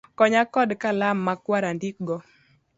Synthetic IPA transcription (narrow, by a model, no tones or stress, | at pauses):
kɔɲakɔdkalamːakwaɾandik̚ɡɔ